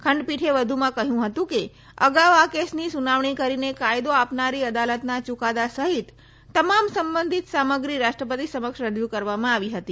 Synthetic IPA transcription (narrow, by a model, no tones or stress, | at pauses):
kʰəɳɖpiʈʰeʋəd̪ʱumãkəɦjũɦət̪ũke | ə̰ɡaʋakesnisunaʋɳikəɾinekajd̪oapnaɾiəd̪alət̪nat͡ʃukad̪asəɦit̪ː | əmamsəmbənd̪ʱit̪saməɡɾiɾaʃʈɾəpət̪isəməkʃɾəd͡ʒukəɾʋamãaʋiɦət̪i